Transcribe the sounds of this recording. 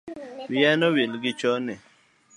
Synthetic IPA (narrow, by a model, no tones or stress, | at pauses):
wiɛnɔwelɡɪt͡ʃɔnɛ